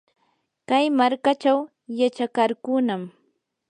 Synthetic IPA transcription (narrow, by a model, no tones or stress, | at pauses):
kajmaɾkat͡ʃaw | jat͡ʃakaɾkʊnam